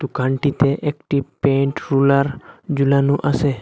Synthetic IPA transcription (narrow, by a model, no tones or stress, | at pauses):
t̪ukaɳʈit̪ʰeʔekʈipẽɳʈɾuləɾd͡ʒulanũʔəse